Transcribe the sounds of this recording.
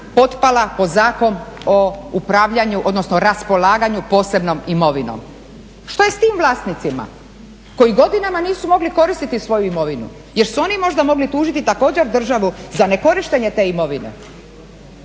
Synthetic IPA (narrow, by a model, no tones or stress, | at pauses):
po̞t̪palapo̞zaːko̞noupɾaʋʎaɲuʔod̪nosnoɾaspo̞laːɡaɲupo̞ːse̞bno̞mimo̞ʋino̰m | ʃt̪o̞je̞st̪iːmʋlˠaːst̪nit̪sima̰ | ko̞jiɡo̞d̪inamaniːsumo̞ɡliko̞ɾist̪it̪isʋo̞juimo̞ʋinṵ | je̞ɾsuo̞nimo̞ʒd̪amo̞ɡlit̪uːʒit̪it̪ako̞ːd͡ʑeɾd̪r̩ʒaʋuzane̞ko̞ɾiʃt̪e̞ɲet̪e̞ːimo̞ʋine̞̰